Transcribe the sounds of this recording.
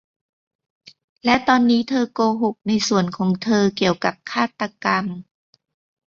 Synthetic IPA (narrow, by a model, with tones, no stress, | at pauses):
lɛ˦˥t̪ɔː˧nːiː˦˥t̪ʰɤː˧koː˧ɦo˨˩k̚na˧jsu˨˩ənkʰɔː˩˦ŋt̪ʰɤː˧ki˨˩əwka˨˩p̚kʰaː˥˩t̪ːa˧ka˧m